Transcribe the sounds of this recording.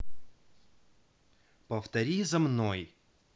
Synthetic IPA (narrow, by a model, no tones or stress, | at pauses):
pəft̪ɐɾʲizɐmnoj